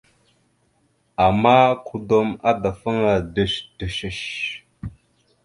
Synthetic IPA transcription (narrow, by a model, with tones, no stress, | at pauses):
a˨ma˦kʰu˦do˦ma˦da˨fə˦ŋa˨də˨ʃd̥ə˨ʃə˨ʃ